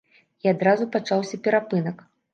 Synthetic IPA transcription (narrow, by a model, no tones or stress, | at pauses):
iad̪ɾazupat͡ʂawsʲɐpʲɛɾapɨnɐk